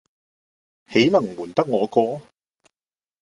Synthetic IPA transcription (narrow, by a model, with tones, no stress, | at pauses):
he˨˥jnɐ˨˩ŋwuː˨˩nt̪ɐ˥k̚ŋɔː˨˧kɔː˧